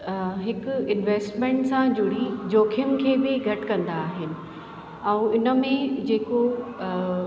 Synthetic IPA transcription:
ɦɪkʊɪnʋeːsʈmẽːɳʈsãd͡ʑʊɽid͡ʑoːkʰijʊmɪ̆kʰeːbɪɡʱɐʈ̆kɐ̃nd̪aːɦɪnɪ̆ | ɛ̃ʊnə̆mẽd͡ʑeːko

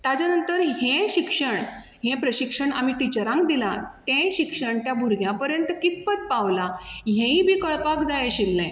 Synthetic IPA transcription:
t̪ad͡ʑanənt̪əɾɦẽɕikʂəɳ | ɦẽpɾəɕikʂəɳamiʈit͡ɕəɾãŋkd̪ilat̪ẽɕikʂəɳt̪jabʱuɾɡʱjãpəɾjənt̪kit̪̚pət̪̚paʋlaɦẽĩbʱiːkəɭpakd͡zajaɕilːɛ̃

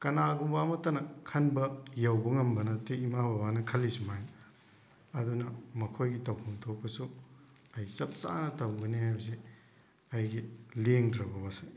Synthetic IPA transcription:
kɐnaɡumbamɐtɐnɐkʰɐnbɐjawbɐŋɐmbɐnɐteimababanɐkʰɐlːisumaj | ɐdunɐmɐkʰojɡitɐwkʰuŋtʰok̚pɐsu | ɐjsɐp̚sa̰nɐtɐwɡɐnihajbɐs̬e | ɐjɡileŋdɾɐbɐbasa

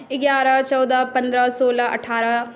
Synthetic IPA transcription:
ɪɡjaːɾat͡ʃɔːd̪aːpə̃nd̪ɾaːsoːlaːʔə̰ʈʰaːɾa

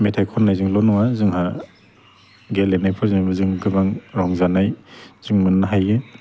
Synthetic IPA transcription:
metʰajkʰɔnːajzɯŋlɔnɔŋazɯŋɦa | ɡelenajpʰɯɾzɯŋbɯzɯŋɡɯbaŋɾɔŋzanajz̥ɯŋmɯnnːaɦajɯ

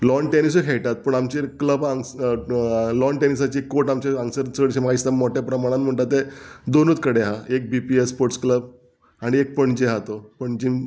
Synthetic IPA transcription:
lɔɳʈenisokʰeɭʈat̪̚pəɳamt͡ɕikləbaŋ | lɔɳʈenisat͡ɕikoʈamt͡ɕeaŋsəɾsəɡəɽɕemaist̪amːɔʈʰjapɾəmaɽ̃anm̤əɳʈat̪ed̪onut̪kəɽeɦãʔek̚bipiespoɾʈskləb̚ | aɽ̃iek̚pəɳd͡ʑeɦat̪opəɳd͡ʑi

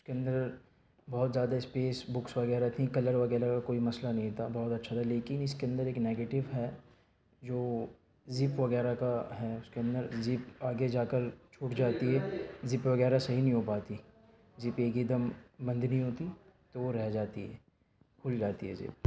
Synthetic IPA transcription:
ʊskeɐ̃nd̪əɾ | bɔːʊt̪zjaːd̪aɪspeːsbʊksʋɐɣɛːɾat̪ʰĩkɐləɾʋɐɡɛːɾakakoːimɐslanɐɦĩɦt̪abɔːt̪ɐtːʃʰat̪ʰaɦɛleːkɪnɪskeɐ̃nd̪əɾeːkneːɡeːʈɪʋɦɛ | d͡ʒoː | zɪpʋɐɡɛːɾakaɦɛʊskeɐ̃nd̪əɾzɪpaːɡed͡ʒaːkəɾt͡ʃʰuːʈd͡ʒaːt̪iɦɛːzɪpʋɐɣɛːɾasɐɦinɐɦĩɦopaːt̪i | zɪpeːked̪əmbɐ̃nd̪nĩɦoːt̪i | t̪oʋoɾɛɦd͡ʒaːt̪iɦɛ̰ː | kʰʊld͡ʒaːt̪iɦɛ̰zɪ̰p̚

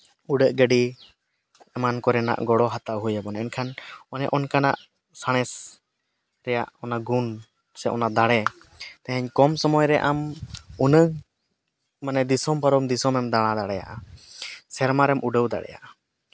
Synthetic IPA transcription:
uɖəʔɡəɖi | ɛmankɔɾɛna̰ʔɡɔɽɔɦat̪aɦujabɔnaɛnkʰanɔnɛʔɔnkana̰ʔ | saɽ̃ɛs | ɾɛjaʔɔnaɡun | sɛʔɔnad̪aɽɛ | t̪ɛ̃ɦɛɲkɔmsɔmɔjɾɛʔamunə | manɛd̪isɔmpəɾɔmd̪isɔmɛmd̪aɽad̪aɽɛja̰ʔa̰ | sɛɾmaɾɛmuɖəwd̪aɽɛ̰ja̰ʔa

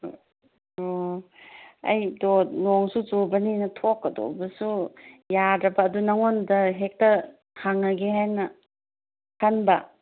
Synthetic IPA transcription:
o | ɐ̰jdonoŋsuzubɐninɐtʰokːɐdo̰bɐsujadɾɐbɐːdunaŋondɐɦek̚tɐ | haŋːɐɡiɦajnɐ | kʰɐnbɐ

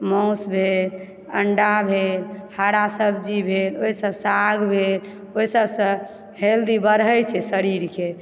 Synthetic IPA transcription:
mɔ̃ʊsbʱel | əɳɖabʱelhaɽasəbd͡ʒibʱeloisəbsaɡʱbʱel | oisəbsə̃ | held̪ibəɾɦəjt͡ʃʰɛsəɾiɾke

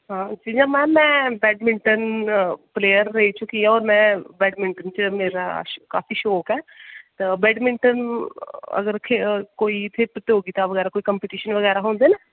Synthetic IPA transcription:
ɦãːd͡ʒiːd͡ʒãːmɛ̃ːmɛ̃ːbɛːɖmɪɳʈənpleːjəɾːeit͡ʃʊkiːãːɔːɾmɛ̃ːbɛːɖmɪ̃ɳʈənt͡ʃmeːɾa̰ːka̰ːfʰiːʃɔːkɛːt̪abɛːɖmɪɳʈən | ə̰ɡəɾkʰekoːiːɪt̪ʰːeːpət̪eɦoːɡiːt̪ãːʋəɡɛːɾaːkoːiːkəmpeːʈiːʃənʋəɡɛːɾaːɦõːnd̪eːnɛː

